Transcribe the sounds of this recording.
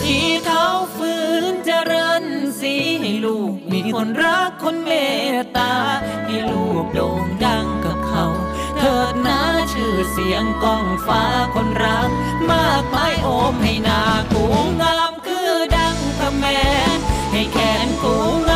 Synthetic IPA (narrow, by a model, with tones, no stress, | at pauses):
t̪ʰiː˧˩k̪ʰa˦˥wfɯː˧˦˥nt͡ɕa˧ɾɤː˧nsi˨˧˦ha˧˩jluː˧˩k̚miː˧˥kʰo˧˥nɾa˦˥kʰːo˧˥nmeː˧˩t̪aː˧ha˧˩jluː˧˩k̚do˧˩ŋda˧˩ŋka˧˩p̚kʰa˦˥w | t̪ʰɤː˧˩t̪̚naː˧˥t͡ɕʰɯː˧˩si˨˩˦əŋkɔː˧˩ŋfaː˨˦˥kʰo˧˥nɾa˦˥ŋ | maː˧˥˩k̚ma˧˥jʔoː˧˥mha˧˩jnaː˧˩kʰuː˨˩˦ŋaː˧˥mkʰɯː˧˥˩da˧˥˩ŋt̪ʰa˧mːɛː˧˦nha˧˩jkʰɛː˨˩˦nkuː˨˩˦ŋa˧